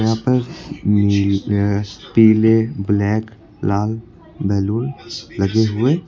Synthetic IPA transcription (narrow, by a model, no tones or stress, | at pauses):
ãpəɾ | piːleblɛːk | laːl | bɛːlullɐɡeɦʊe